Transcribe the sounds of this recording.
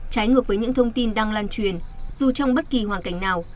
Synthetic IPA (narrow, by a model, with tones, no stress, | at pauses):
t͡ɕaː˨˦jŋɨ˨˩ək̚vəː˨˦jɲɨ̰˧˥ŋt̪ʰə˧wŋ͡mt̪i˧nɗaː˧ŋlaː˧nt͡ɕwi˨˩ənzu˨˩t͡ɕɔ˧wŋ͡mɓə˦˥t̚ki˨˩hwaː˨˩nka˧˩jŋ̟naː˨˩w